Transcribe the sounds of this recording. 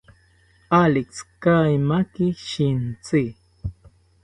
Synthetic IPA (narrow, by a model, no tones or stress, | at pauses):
alɪkskajmakiʃint͡si